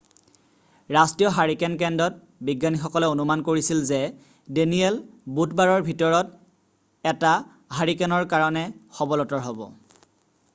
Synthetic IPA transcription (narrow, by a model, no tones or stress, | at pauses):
ɹastijɔɦaɹikɛnkɛndɔt̚ | biɡːanixɔkɔlɛonumankoɹisilzɛ | deniɛlbutbaɹɔɹbʱitɔɹɔt | ɛta | ɦaɹikɛnɔɹkaɹɔnɛxɔbɔlɔtɔɹɦɔbɔ̰